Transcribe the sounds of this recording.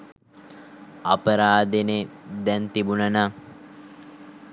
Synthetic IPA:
ɐpəɾaːd̪ened̪ɛnt̪ibunəna

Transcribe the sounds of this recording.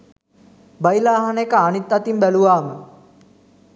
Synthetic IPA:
bɐjlaːɦɐnekəːnit̪ːɐt̪imbæluʋaːme

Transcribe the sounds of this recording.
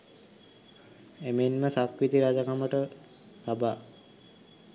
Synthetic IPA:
emenməsakʋit̪iɾad͡ʒakaməʈə | t̪abaː

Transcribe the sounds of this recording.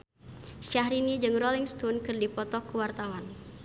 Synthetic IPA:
ʃahɾinid͡ʒɨŋrɔliŋst̪unkɨrdipɔt̪ɔkəwart̪awan

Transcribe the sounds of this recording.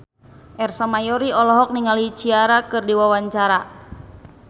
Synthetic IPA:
ʔɛrsamajɔɾiɔlɔɦɔk̚niŋalit͡ʃiaɾakɨrdiwawaɲt͡ʃaɾa

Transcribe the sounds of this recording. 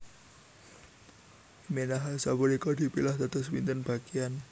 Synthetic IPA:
menaɦasabɔɾikɔdi̤pilahd̪a̤t̪ɔswint̪ənb̥akian

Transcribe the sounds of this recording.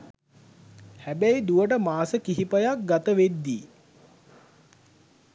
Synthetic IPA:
hæbæid̪uʋəʈ̬əmaːsəkiɦipəjak̚ɡat̪əʋed̪ːiː

